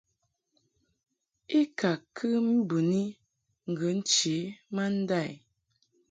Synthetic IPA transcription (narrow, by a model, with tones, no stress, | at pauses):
i˦ka˨kʰɨ˦m˦bu˨ni˦ | ŋ̩˨ɡə˨˦n̩˦t͡ʃe˨˦ma˦n̩˦da˦˨j